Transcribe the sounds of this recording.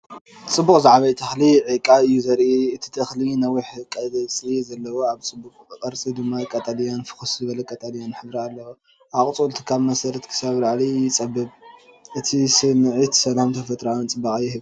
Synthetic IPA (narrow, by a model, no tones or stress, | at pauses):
t͡sʼɨbːukʼzaʕβɐjt̪ʰɐxliʕikʼaɨjːuzɐɾʔiɨt̪ʰi̥t̪ʰɐxlinɐwiħɨkʼːazɐt͡sʼizɐlːɐwoaβt͡sʼɨbːuqʼkʼɐɾt͡sʼid̪ɨmːakʼat̪ʼalijanfɨ̥xuszɨβɐlɐkʼat̪ʼalijanħɨbɾialːɐwo | ʔakʼt͡sʼult̪ʰɨ̥kʰaβmɐsɐɾɐt̪kʰɨ̥saβlaʕlijɪt͡sʼɐbːɨβ | ʔɨt̪ʰisɨnʕit̪sɐlamt̪ʰɐfɐt̪ʼɾawnt͡sʼɨbːakʼɨjːɪhɨβ